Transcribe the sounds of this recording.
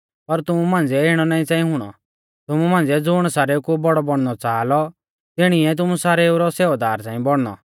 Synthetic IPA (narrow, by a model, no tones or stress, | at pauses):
pɐɾt̪ʊmumãːnd͡zɛeːɽ̃ɔnaːĩt͡saːĩɦʊɽ̃ɔ̰ | t̪ʊmumãːnd͡zɛd͡zʊːɽ̃saːɾeukubɔɽɔbɔɽ̃nɔt͡saːlɔ | t̪ɪɽ̃iɛt̪̬ʊmusaːɾeuɾɔseːd̪aːɾt͡sãːĩbɔɽ̃nɔ̰